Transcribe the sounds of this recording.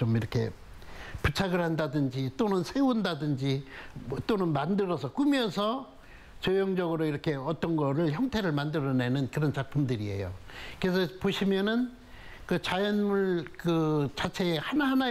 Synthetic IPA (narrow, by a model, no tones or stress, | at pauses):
t͡ɕomiɾʌkʰe̞̰ | put͡ɕʰaɡɯɭhandadɯnd͡ʑit͈onɯnsʰe̞undadɯnd͡ʑit͈onɯnmandɯɾʌsʰʌk͈umjʌnsʰʌ | t͡ɕojʌŋd͡ʑʌɡɯɾoiɾʌkʰe̞ʌt͈ʌnɡʌɾɯɭçjʌŋtʰe̞ɾɯɭmandɯɾʌne̞nɯnkɯɾʌnt͡ɕak̚pʰumdɯɾie̞̰jo̰kɯɾesʰʌpoɕʰimjʌnɯn | kɯt͡ɕajʌnmuɭkɯt͡ɕat͡ɕʰe̞hanaana